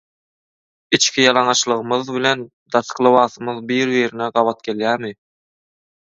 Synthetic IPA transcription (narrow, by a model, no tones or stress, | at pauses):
it͡ʃkʰʲijɑlˠɑŋɑʃlˠɯʁɯmɯðβile̞n | d̪̥ɑsqɯlˠɑβɑːθɯmɯðbiːɾβiːɾineɢɑβɑt̪̚ɡe̞ljæːmi